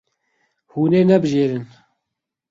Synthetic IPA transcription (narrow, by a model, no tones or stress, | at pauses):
huːneːnɛbɨʒeːɾɨn